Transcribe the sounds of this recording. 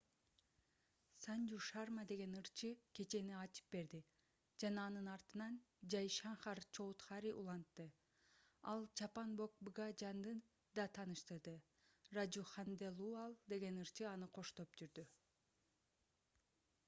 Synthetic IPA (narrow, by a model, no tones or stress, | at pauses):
sand͡ʒuʃɑrmad̪e̞ɡe̞nɯɾt͡ʃʰɯke̞t͡ʃe̞niɑt͡ʃʰɯ̥p̚be̞ɾd̪i | d͡ʒɑnɑːnɯnɑɾt̪ɯnɑn | d͡ʒɑjʃɑɴχɑɾt͡ʃʰo̞wut̪χɑɾiʔṵlˠɑnt̪ːɯ | ɑlˠt͡ʃʰɑpɑnbo̞k̚bɯɡɑd͡ʒɑnd̪ɯn | d̪ɑt̪ʰɑːnɯʃt̪ɯɾd̪ɯ | rad͡ʒuχɑnd̪elˠuɑlˠd̪e̞ɡe̞nɯɾt͡ʃɯɑnɯqʰo̞ʃt̪o̞p̚d͡ʒyɾd̪y